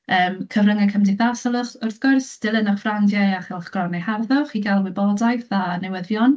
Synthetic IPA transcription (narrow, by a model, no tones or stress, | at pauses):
əːmkʰəvrəŋakʰəmdɪθasɔlˠəχʊrθɡ̥ʊrsd̥ɪlˠənaχvrandjaaχɛlˠχɡ̥rɔneharðɔχiɡalˠwɪbɔdajθanɛwəðjɔn